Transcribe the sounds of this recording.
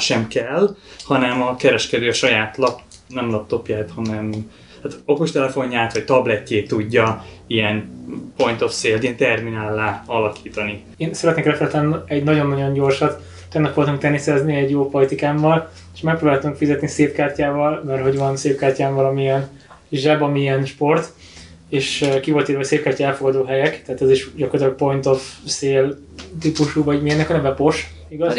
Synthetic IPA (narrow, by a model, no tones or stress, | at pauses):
ʃɛmkɛlhɒnɛmɒkɛɾɛʃkɛd̪øːɒʃɒjaːt̪lɒp | nɛmlɒp̚t̪o̞pjaːt̪hɒnɛm | aːt̪okoʃt̪ɛlɛfo̞ɲːaːt̪ʋɒct̪ɒblɛcːeːt̪uɟːɒijɛnpo̞nt̪o̞fseːlt̪iɛnt̪ɛrminaːlːaːɒlɒkʰi̥ːt̪ɒni | eːnsɛɾɛt̪neːkrɛfɛlɛt̪lɛnɛɟnɒɟo̞nːɒɟo̞ɲɟo̞rʃɒt̪ː | ɛɡnɒprobalt̪uŋkt̪ɛnisɛzniɛɟjoːpolit̪ikaːmvɒl | eʃmɛk̚pɾoːbaːlt̪uŋkfizɛt̪niseːpkaːrcaːvɒlmɛrɦo̞ɟʋɒnseːp̚kaːrcaːɱvɒlɒmiɛn | ʒɛbɒmiɛnʃpo̞rt̪ | eːʃkivo̞lt̪iːɾvɒseːp̚kaːrcaɛlfo̞ɡɒd̪oːɦɛjɛkt̪ɛaːt̪ɛziʃɟɒkort̪lɔk̚po̞jnt̪o̞fseːl | t̪ipuʃuːvɒɟmiɛnːɛkɒnɛvɛpo̞ʃ | iɡɒz